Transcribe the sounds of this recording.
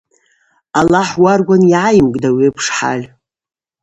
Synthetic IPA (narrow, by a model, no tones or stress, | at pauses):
alaħwarɡʷanjʕajmkʼdawiepʰʂħa̰lʲ